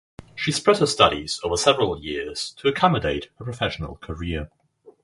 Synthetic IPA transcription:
ʃispɹɛdhəstʌɾiz̥əʊvəsɛvəɹəlˠjɪəz̥tʰəəkʰɒmədeɪʔhəpʰɹ̥əfɛʃənə̰lˠkʰəɹɪə

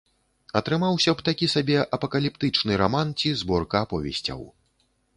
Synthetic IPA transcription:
ɐt̪ɾɨmawsʲɐbt̪akʲisabʲɛʔɐpɐkɐlʲipt̪ɨt͡ʂnɨɾamant͡sʲizbɔrkɐːpɔvʲɛ̰sʲt͡sʲɐ̰w

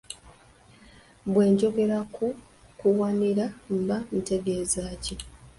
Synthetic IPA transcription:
bwe̞ːɲɟo̞ɡe̞ɾakʰu | kuwaniɾam̩bamite̞ɡe̞ːzaːci

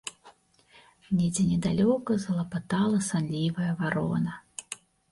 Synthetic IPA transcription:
nʲɛd͡zʲɛnʲɛd̪alʲɔkɐzɐlˠɐpat̪alˠɐsanlʲivɐjɐvaɾɔ̰nɐ

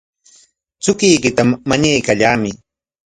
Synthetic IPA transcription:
t͡sʊkɪjkɪt̪amaɲajkaʎaːmɪ

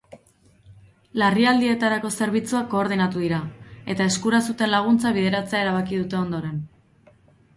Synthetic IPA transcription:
lariald̪ie̞t̪aɾako̞se̞ɾβ̞it͡suako̞ːɾð̞inat̪uðiɾae̞t̪ae̞skuɾasut̪e̞nlaɣ̞unt͡saβ̞iðe̞ɾat͡se̞ae̞ɾaβ̞akiðut̪e̞o̞nd̪o̞ɾe̞n

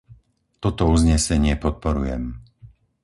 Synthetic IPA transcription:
t̪ɔt̪ɔuzɲɛsɛɲɪɛpɔt̪̚pɔɾujɛm

